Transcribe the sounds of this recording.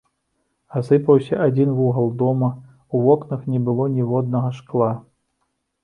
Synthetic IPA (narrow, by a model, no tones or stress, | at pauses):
asɨpɐwsʲɐʔad͡zʲinvuɦɐlˠd̪ɔmɐ | uvɔknɐxnʲɛbɨlˠɔnʲɛvɔd̪nɐɣɐʂklˠa